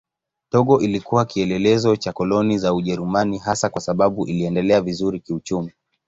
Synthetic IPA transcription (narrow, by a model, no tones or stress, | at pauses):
tɔɠɔʔilikuwakiɛlɛlɛzɔt͡ʃakɔlɔnizauʄɛɾumaniɦasakwasaɓaɓuʔiliɛndɛlɛavizuɾikiut͡ʃumi